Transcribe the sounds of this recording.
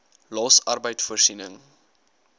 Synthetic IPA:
lɑːsɐrbəjtfuərsinəŋ

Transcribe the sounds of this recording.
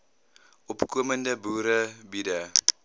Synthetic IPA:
ʔɔpkuəməndəbuːɾəbida

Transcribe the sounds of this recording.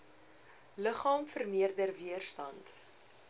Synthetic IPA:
ləχɑːmfərmiərdərviərstɐ̰nt

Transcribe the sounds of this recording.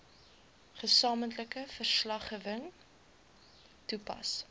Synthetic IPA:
χəsɑːməntləkəfərslɐχəːvəŋ | tupɐ̰s

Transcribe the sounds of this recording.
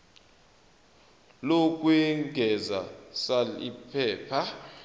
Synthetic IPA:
lok̬ʼwɛŋɡʱɛzasalḭpʰɛːpʰa

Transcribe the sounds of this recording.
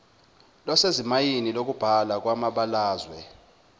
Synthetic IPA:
lɔsezimajinilok̬ub̥ʱalak̬ʼwamaɓalaːzwɛ

